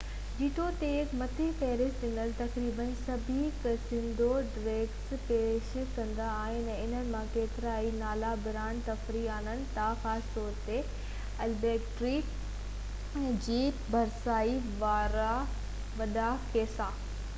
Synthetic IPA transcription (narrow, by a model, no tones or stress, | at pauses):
d͡ʑiːʈʰot̪eːkmɐt̪ʰifeːɾɪstɗɪ̃ŋəlt̪ɐkɾiːbənsɐbʱiksɪ̃nd̪ʱoɖɾeːɡspeːʃkɐ̃nd̪aːɦɪnɛɪn̤ənɪ̆mãkeːt̪ɪɾaːinaːlabɪɾaːnt̪ɐfɾiaːnənɪ̆t̪axaːst̪ɔːɾt̪e | ɐlbeːkʈɾi | d͡ʑiː | bʱɐɾsaːiʋaːɾa | ʋɐɗakeːsaː